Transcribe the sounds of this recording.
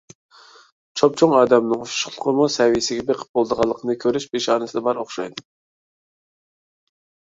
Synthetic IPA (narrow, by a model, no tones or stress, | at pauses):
t͡ʃʰop̚t͡ʃʰoŋɑːd̪ɛmnɨŋoʃʃlˠəqʰəmusɛwijɪsɪɡʲɛbeqʰə̥p̚b̥olˠd̪əʁɑlˠːəqʰənɨkʲʰøɾyʃbeʃɑːnɨsɨd̪ɑbɑɾoχʃɑ̰jd̪ɨ